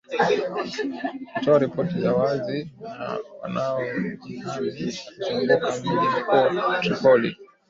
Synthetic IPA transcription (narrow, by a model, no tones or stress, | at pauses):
kutɔaɾipɔtizawazina̰wa̰naɔ | uzizuŋɡukamilimikuatɾikɔlḭ